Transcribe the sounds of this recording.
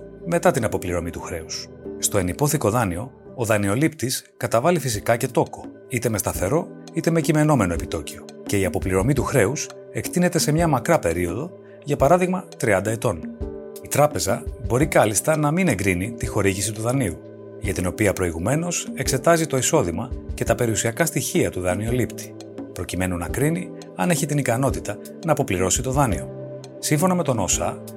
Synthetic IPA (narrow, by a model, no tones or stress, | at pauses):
me̞t̪ɐt̪inɐpo̞pliɾo̞mit̪uxɾe̞us | st̪o̞e̞nipo̞θiko̞ðɐnio̞ː | ðɐnio̞lipt̪iskɐt̪ɐvɐlifisikɐce̞t̪o̞ko̞̥ | it̪e̞me̞st̪ɐθe̞ɾo̞it̪e̞me̞cime̞no̞me̞no̞e̞pit̪o̞cio̞ | ce̞iɐpo̞pliɾo̞mit̪uxɾe̞us | e̞kt̪ine̞t̪e̞se̞mɲɐmɐkɾɐpe̞ɾio̞ðo̞ | jʝɐpɐɾɐðiɣmɐt̪ɾiɐnd̪ɐet̪o̞nit̪ɾɐpe̞zɐbo̞ɾikɐlist̪ɐnɐmine̞ŋɡɾinit̪ixo̞ɾiʝisit̪uðɐniu | ʝɐt̪ino̞piɐpɾo̞iɣume̞no̞se̞kse̞t̪ɐzit̪o̞iso̞ðimɐce̞t̪ɐpe̞ɾiusiɐkɐst̪içiɐt̪uðɐnio̞lipt̪i̥ | pɾo̞cime̞nunɐkɾini | ɐne̞çit̪inikɐno̞t̪it̪ɐ | nɐːpo̞pliɾo̞sit̪oðɐnio̞̰ | siɱfo̞nɐme̞t̪o̞no̞sɐ